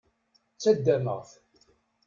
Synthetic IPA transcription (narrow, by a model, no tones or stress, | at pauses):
t͡sːæd̪ːæmə̰ʁθ